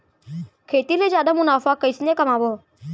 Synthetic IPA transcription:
kʰeːt̪iːleːzjaːd̪aːmʊnaːfaːkːəisnekəmaːʋoː

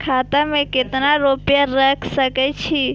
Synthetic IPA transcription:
kʰaːt̪amẽkɪt̪naɾoːpjaɾəkʰsəkɛt͡ʃʰi

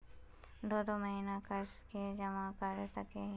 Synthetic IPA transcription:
d̪oːd̪omɐɦinakɐsked͡ʒɐmãkɐɾsɐkeɦ

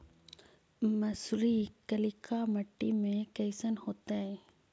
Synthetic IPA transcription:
mɐsɾikəlɪkʰamɐʈːimẽkɛːsənhoːt̪aɦɛː

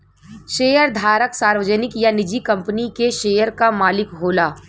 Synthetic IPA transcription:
ʃeːjəɾd̪ʱaːɾəksaːɾwəd͡ʒənɪkjanɪd͡ʒikɐ̃mpənikeʃeːjəɾkamaːlɪkɦoːlaː

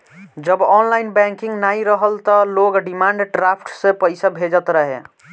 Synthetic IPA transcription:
d͡ʒəbɔnlainbɛ̃ŋkiŋɡnaiɾəɦəlt̪ɔloɡɖimaɳɖɖɾapʰʈsẽpəɪsabʱed͡ʒət̪ɾəɦḛ

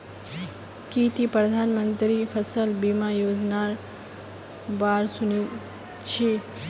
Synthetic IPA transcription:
kit̪ipɾəd̪ʱaːnmə̃nt̪ɾifʰɐsəlbimajoːd͡ʒnaːɾ | baːɾsʊni | t͡ʃʰe

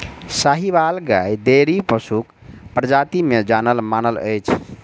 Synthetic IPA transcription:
saɦiβalɡajd̪eɾipəsuk | pɾəd͡ʒat̪imed͡ʒanəlmanələ̰jt͡ʃʰ

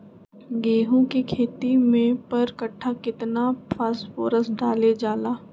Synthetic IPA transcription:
ɡeːɦũkikʰeːt̪imẽpɐɾkɐʈʰːakɪt̪napʰaːsfoːɾəsɖaːled͡ʒaːlaː

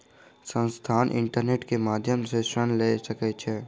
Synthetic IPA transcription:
sə̃nst̪ʰaːnʔɪ̰̃ɳʈəɾneːʈkemaːd̪ʱjəmseʃənleːsəket͡ʃʰeː

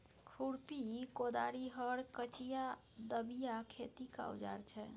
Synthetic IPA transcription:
kʰuɽpikod̪a̰ɾiɦəɾkət͡ʃija | d̪əbijakʰet̪ika̰ṵd͡ʒa̰ɾt͡ʃʰɛ

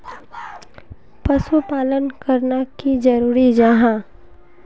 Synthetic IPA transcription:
pɐsupaːlənkəɾnakid͡ʒɐɾuːɾid͡ʒaɦãː

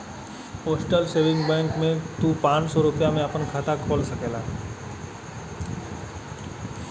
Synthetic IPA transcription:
ɦoːsʈəlseːʋɪ̃ŋɡbɛ̃ːŋkmẽt̪ũpãːt͡ʃsɔɾʊpjamẽɐpənkʰaːt̪akʰoːlsɐkeːlaː

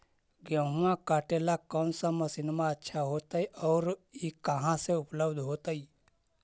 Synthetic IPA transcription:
ɡə̃ɦuãkaːʈelakɔːnsaməsɪnmaətːʃʰaɦoːt̪aiʔɔːɾikəɦãseʊpləbd̪ʱɦoːt̪aiː

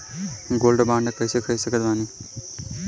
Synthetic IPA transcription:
ɡoːlɖbãːɳɖəkəisekʰəisəkʰəd̪ʋãːniː

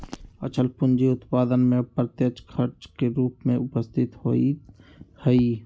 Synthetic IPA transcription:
ɐ̰t͡ʃʰəlpʊnd͡ʒiʊt̪paːd̪ənmẽpɾət̪jət͡ʃkʰɐɾt͡ʃkeɾuːpmẽʊpəst̪ʰɪt̪ho̰i | həi

